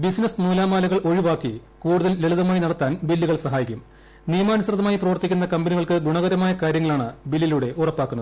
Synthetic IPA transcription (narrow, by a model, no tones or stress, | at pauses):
bisinɐsnuːlaːmaːlɐɣɐɭo̞ɻiʋaːkːi | kuːɽuðɐlːeɭuðɐmaːjinɐɽɐt̪ːaːnbilːiɣɐɭsɐɦaːjikʲːum | nijmaːnɐsɐrɐðɐmaːjiprɐʋɐrt̪ːikʲːunːɐkɐmbɐniɣɐɭkɨɡuɳɐɣɐɾɐmaːjɐkaːɾjɐŋːɐɭaːɳɨbilːiluɽe̞ʔurɐpːaːkːunːɐðɨ